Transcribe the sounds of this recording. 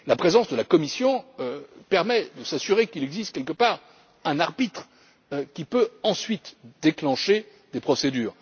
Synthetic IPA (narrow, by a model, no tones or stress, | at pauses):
lapχezɑ̃sd̪əlakɔmisjɔ̃pɛʁmɛd̪əsasyʁekilɛɡzist̪̚kʲɛlkəpaːʁ | ɛ̃naʁbit̪χ | kʲipøɑ̃sɥit̪d̪eklɑ̃ʃe | d̪epχɔsed̪yːʁ